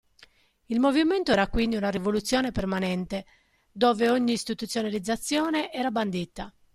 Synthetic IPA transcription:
ilmoviment̪oɛːɾakwind̪iunarivolut̪sːjɔːnepermanɛnt̪e | d̪ɔːveoɲːiːst̪it̪ut̪sjonalid̪zːat̪sːjɔːneʔɛːɾaband̪it̪ːa

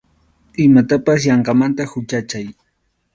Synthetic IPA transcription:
ɪmat̪apas̬jɑɴɢɑmant̪ahʊt͡ʃat͡ʃaj

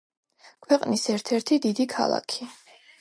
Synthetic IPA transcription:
kʰwɛqʼnisɛɾt̪ʰɛɾt̪ʰid̪id̪ikʰa̰lˠa̰kʰi

